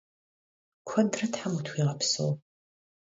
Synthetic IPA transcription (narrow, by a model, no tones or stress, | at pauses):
kʷʰɐndrɐtħamutʰwʷiːʁɐpso̰w